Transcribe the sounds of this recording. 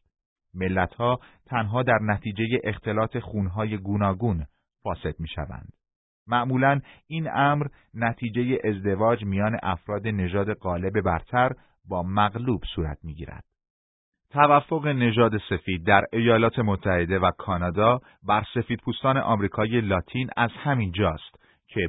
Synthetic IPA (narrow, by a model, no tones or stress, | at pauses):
me̞lːæt̪hɒːt̪ʰænɦɒːd̪æɾnæt̪ʰiːd͡ʒe̞jeʔext̪ʰe̞lɒːt̪ʰe̞xuːnɦɒːje̞ɡuːnɒːɡuːn | fɒːse̞d̪̚miːʃæ̰væ̰nd̪̥ | mæʔmuːlæniːnæmɾ | næt̪ʰiːd͡ʒe̞je̞ʔezd̪e̞vɒːd͡ʒmijɒːne̞̰ʔæfɾɒːd̪e̞ne̞ʒɒːd̪e̞ɢɒːle̞be̞bæɾt̪ʰæɾ | bɒːmæɣluːb̥suːɾæ̰t̪ʰmiːɟḭːɾæ̰d̪̥ | t̪ʰævæfːoɣe̞ne̞ʒɒːd̪e̞se̞fiːd̪̚ːæɾejɒːlɒːt̪ʰe̞mot̪ʰːæhe̞d̪e̞vækʰɒːnɒːd̪ɒː | bæɾse̞fiːd̪̥̚pʰuːst̪ɒːne̞ʔɒːmɾiːkʰɒːije̞lɒːt̪ʰiːnæzhæmind͡ʒɒːst̪ | cʰe̞